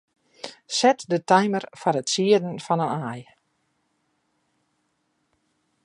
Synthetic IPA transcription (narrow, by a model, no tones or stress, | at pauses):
sɛtdətajmərfɔɾətsiədən̩fɔnənaj